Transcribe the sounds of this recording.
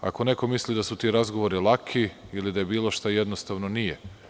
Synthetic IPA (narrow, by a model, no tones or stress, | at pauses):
a̰ko̞ne̞ko̞mislid̪asut̪iɾazɡoʋoɾilˠakʰiilid̪aje̞biːlˠo̞ʃt̪ajed̪nost̪aʋnonije